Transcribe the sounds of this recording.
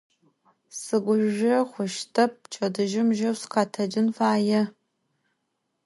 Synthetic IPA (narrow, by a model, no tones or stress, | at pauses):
sɨɡʷʊʒʒɐχʷʊʃtʰɐp̚ʰt͡ʃʰʼɐdɨʒɪmʒɐwsqɑːtʰɐd͡ʒɪnfaːjɛ